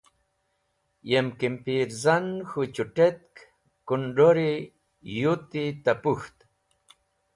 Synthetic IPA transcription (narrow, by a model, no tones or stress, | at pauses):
jemkimpiɾzanxut͡ɕuʈet̪̚k | kuɳɖoɾi | jut̪it̪apuxt̪